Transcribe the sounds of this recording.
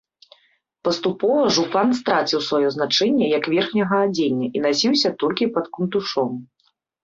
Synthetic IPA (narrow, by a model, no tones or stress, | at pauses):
pɐst̪upɔvɐʐupanst̪ɾat͡sʲiwsvajɔznat͡ʂɛnʲːɛjɐkvʲɛrxnʲɐɣɐad͡zʲenʲːɐʔinasʲiwsʲɐt̪ɔlʲkʲipɐt̪kunt̪uʂɔm